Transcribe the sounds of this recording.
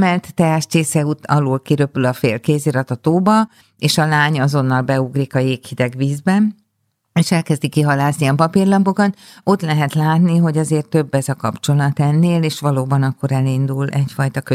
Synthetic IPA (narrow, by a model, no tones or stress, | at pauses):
mɛlt̪ːɛaʃceːsɛut̪ɒloːlkiɾø̞pylɒfeːlkeːzeːɾɒt̪ɒt̪oːbɒ | eːʃɒlaːɲɒzo̞nːɒlbɛuɡrikɒjeːkhid̪ɛɡʋiːzbɛn | eːʃɛlkɛzd̪ikːiɦɒlaːzniɒpɒpirlɒmbo̞kɒt̪o̞t̪lɛɦɛt̪laːt̪niɦo̞ɟɒzeːrt̪ːøbːɛzɒkɒpt͡ʃo̞lɒt̪ɛnːeːleːʃʋɒloːbɒnɒkːo̞ɾɛlind̪ulɛcfɒjt̪ɒkø